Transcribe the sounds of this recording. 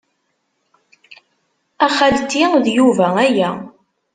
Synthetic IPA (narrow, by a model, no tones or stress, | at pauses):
æχæd̪t̪ːiðjuvææjæ